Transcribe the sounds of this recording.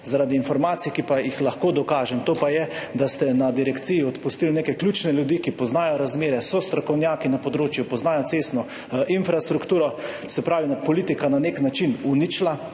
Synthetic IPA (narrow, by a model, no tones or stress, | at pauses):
zaɾaːd̪iːnfɔɾmaːt̪sijkipajixlaxkoːd̪ɔkaːʒɛmt̪oːpajɛd̪ast̪ɛnad̪iɾɛkt̪sijiɔt̪pust̪ilneːkɛkljuːt͡ʃnɛljud̪ikipɔznaːjɔɾazmeːɾɛsɔst̪ɾɔkɔwnjaːkinapɔd̪ɾoːt͡ʃjupɔznaːjɔt̪sest̪nɔ | ʔinfɾast̪ɾukt̪uːɾɔ | sɛpɾaːʋinapɔliːt̪ikananeknat͡ʃinunit͡ʃla